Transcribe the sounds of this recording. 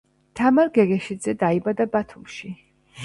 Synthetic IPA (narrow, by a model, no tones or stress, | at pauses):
t̪ʰamaɾɡɛɣɛʃid̪zɛd̪aibad̪abat̪ʰumʃi